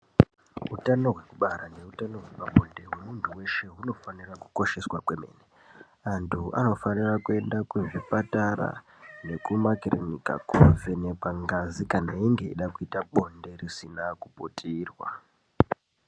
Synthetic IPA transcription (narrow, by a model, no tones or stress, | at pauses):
ɦutano̞ɦwe̞kuɓaɾane̞utano̞ɦwepaɓo̞nde̞ɦwe̞muntʰuwe̞ʃe̞ɦuno̞faniraku̥ko̞ʃe̞swakwe̞me̞̰ːne | antʰua̰no̞fanirakue̞ndakuvipataɾa̰ | ne̞kumakirḛnika̰kuvene̞kwaŋɡazikanaiŋɡe̞ḭɗakuitaɓo̞nde̞risinakupotʰiːrwa̰